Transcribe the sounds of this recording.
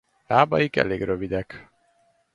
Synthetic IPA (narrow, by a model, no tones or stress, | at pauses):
laːbɒjikɛ̰leːɡrøvid̪ɛk